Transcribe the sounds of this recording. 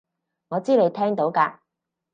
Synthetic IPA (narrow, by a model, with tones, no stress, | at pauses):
ŋɔː˨˧t͡siː˥le˨˧jt̪ʰɛː˥ŋt̪o˨˥wkaː˧